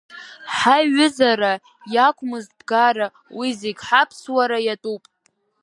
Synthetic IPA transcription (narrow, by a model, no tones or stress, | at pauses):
ħaɥʊzaɾa | jakʷʰʼmɨzbɡaɾa | wizeɡʲħapʰswaɾajatʼupʼ